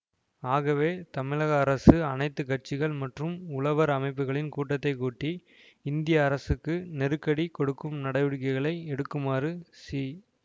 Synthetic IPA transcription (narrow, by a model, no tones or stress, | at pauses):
aːɣɐʋeːt̪ɐmɪɻɐɣɐːɾɐsɯɐnɐɪt̪ːɯkɐʈ̚t͡ʃːɪɣɐɭmɐʈrɯmʊɭɐʋɐɾɐmɐɪp̬ːɯɣɐɭɪnkuːʈːɐt̪ːɐɪkːuːʈːi | ɪnd̪ɪjɐːɾɐsɯkːɯnɛɾɯkːɐɽikɔɽɯkːɯmnɐɽɐɪʋɯɻkɐɪɣɐɭɐɪɛɽɯkːɯmaːrɯsi